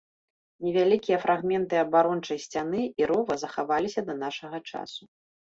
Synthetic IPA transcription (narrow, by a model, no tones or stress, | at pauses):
nʲɛvʲalʲikʲijɐfɾʔaɣmʲɛnt̪ɨɐbaɾɔnt͡ʂɐjsʲt͡sʲanɨiɾɔvɐzɐxavalʲisʲɐd̪ɐnaʂɐɣɐt͡ʂa̰su